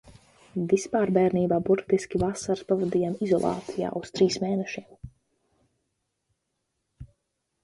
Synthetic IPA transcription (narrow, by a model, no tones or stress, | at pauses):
vispaːɾbɛːɾniːbaːbuɾt̪iskʲivasaɾspavad̪iːjaːmizɔ̰lˠa̰ːt̪sija̰ːʔust̪ɾiːsmeːnɛʃiɛm